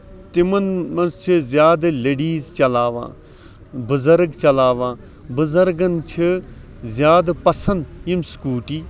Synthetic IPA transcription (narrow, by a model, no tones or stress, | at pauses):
t̪imɐnmɐnzt͡ʃʰizjaːd̪leːɖiːzt͡ʃɐlaːʋã̰ː | bəzɐɾɡt͡ʃɐlaːʋãː | bəzɐɾɡɐnt͡ʃʰi | zʲjaːd̪pɐsɐ̃nd̪jimskuːʈiː